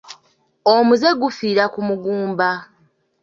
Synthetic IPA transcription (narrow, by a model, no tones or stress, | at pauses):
omuze̞ɡufiːɾakumuɡuːmba